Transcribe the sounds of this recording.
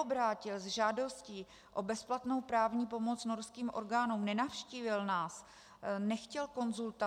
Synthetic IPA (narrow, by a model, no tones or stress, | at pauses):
obɾaːcɪlzʒaːdo̞sciː | ʔo̞bɛsplat̪no̞wpɾaːvɲiːp̬o̞mo̞t͡sno̞ɾskiːmʔo̞̰ɾɡaːnuːmnɛnafʃciːvɪlnaːs | nɛxcɛlko̞nzult̪a